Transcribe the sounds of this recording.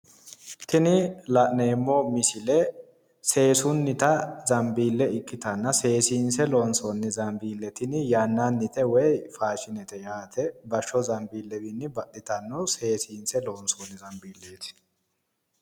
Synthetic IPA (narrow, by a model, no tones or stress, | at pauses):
t̪ɪnɪlɐʔneːmːɔmɪsɪlɛ | se̞ːsʊnːɪt̪ɐzɐmbiːlːɛɪkːɪt̪ɐnːɐse̞ːsiːnsɛloːnsɔnːɪzɐmbiːlːɛt̪ɪnɪjanːanːɪt̪ɛwɛjfaːʃɪnɛt̪ɛjaːt̪ʰɛbɐʃːɔzɐmbiːlːɛdɪnːɪbɐʔɪt̪ɐnːɔse̞ːsiːnsɛlo̞ːnsɔnːɪzɐmbiːlːeːt̪ɪ̥